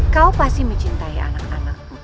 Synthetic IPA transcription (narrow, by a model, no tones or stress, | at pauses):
kaupast̪iməɲt͡ʃint̪aia̰nakana̰k̚